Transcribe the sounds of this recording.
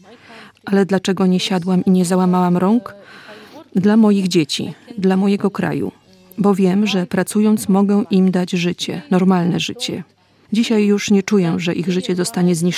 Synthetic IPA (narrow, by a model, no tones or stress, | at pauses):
ʔalɛd̪lat͡ʂɛɡɔɲɛɕad̪wamiɲɛzawamawamɾɔŋk | d̪lamɔjiɣd͡ʑet͡ɕḭd̪lamɔjɛɡɔkɾa̰jṵ | bɔvʲjɛmʐɛpɾat̪sujɔnt̪smɔɡɛʔimd̪ad͡ʑʐɘt͡ɕɛ̰nɔɾmalnɛʐɘt͡ɕɛ̰ | d͡ʑiɕajːuʂɲɛt͡ʂujɛʐɛʔiɣʐɘt͡ɕɛzɔst̪aɲɛzɲi